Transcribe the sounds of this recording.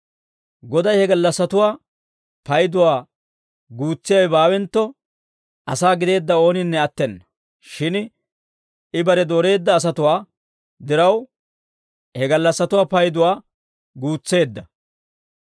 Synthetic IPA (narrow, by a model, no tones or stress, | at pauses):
ɡɔd̪ɐjhɛɡɐlːɐsːɐt̪ʊwaː | pɐjd̪ʊwaː | ɡuːt͡sːɪjɐjbaːwɛnt̪ːɔ | ʔɐsaːɡɪd̪e̞ːd̪ːɐo̞ːnɪnːɛɐt̪ːɛnːɐ | ʃɪn | ɪbɐɾɛd̪oːɾe̞ːd̪ːɐːs̬ɐt̪ʊwaː | d̪ɪɾɐw | hɛɡɐlːɐsːɐt̪ʊwaːpɐjd̪ʊwaː | ɡuːt͡sːe̞ːd̪ːɐ